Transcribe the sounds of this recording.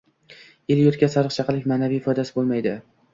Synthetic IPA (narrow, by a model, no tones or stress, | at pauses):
eljʊt̪kʲasaɾɨqt͡ʃʰɑqɨlɪkʲmaːnavijːfɒjd̪asɪbolˠmajd̪ɪ